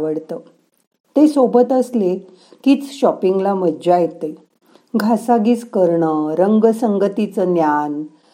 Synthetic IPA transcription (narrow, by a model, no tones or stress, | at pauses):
ʋəɽt̪əː | t̪esobət̪əsle | kit͡sɕɔpiŋɡlaməd͡ʑajet̪e | ɡʱasaɡiːt͡skəɾɳəɾəŋɡəsəŋɡət̪it͡sənjan